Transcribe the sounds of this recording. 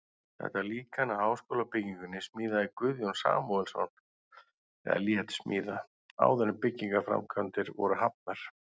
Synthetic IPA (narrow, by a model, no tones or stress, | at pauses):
θɛ̰ht̪aliːkanahaːwskoːlapɪciŋkʏnːɪsmiːðaikvʏðjownsa̰ːmɔðɛlsɔ̰n | ɛ̰ða̰ljɛt̪smiːða | a̰wðɛnɪmpɪcːiŋkafɾa̰mkʰant̪ɪɾvɔ̰ɾʏɦapnɛɾ̥